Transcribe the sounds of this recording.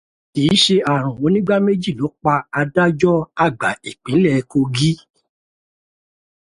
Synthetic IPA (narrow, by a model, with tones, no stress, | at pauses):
ki˨˦ʃe˧a˨ɾ̃ũ˨o˨˧˦nĩ˦ɡ͡ba˦me˦d͡ʒi˦˨lo˨˦k͡pa˧a˧da˦d͡ʒɔ˦a˦˨ɡ͡ba˨i˨k͡pĩ˨˦lɛ˦˨˧ko˧ɡi˦